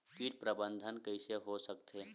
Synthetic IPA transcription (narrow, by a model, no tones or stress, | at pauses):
kiʈpɾəbə̃nd̪ʱənkəɪseɦosəkt̪ʰe